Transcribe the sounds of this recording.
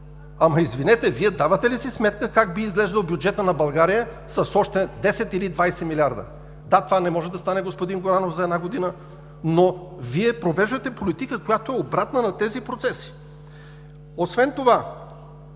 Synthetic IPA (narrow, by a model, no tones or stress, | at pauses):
amɐizvinɛt̪ɛviɛd̪avɐt̪ɛlisismɛt̪kəkaɡ̚biːzɡlɛʒd̪əlˠbʲjud͡ʒɛt̪ənɐbɐlˠɡaɾijə | sɐsɔʃt̪ɛd̪ɛsɛt̪ilid̪vajsɛmilʲiaɾd̪ə̰ | d̪at̪ovanɛmɔʒɛd̪ɐst̪anɛɡospod̪inɡoɾanofzɐɛd̪naɡod̪inə | noviɛpɾovɛʒd̪ɐt̪ɛpolit̪ikəkojat̪oɛobɾat̪nənɐt̪ɛzipɾot̪sɛsi̥ | osvɛnt̪ova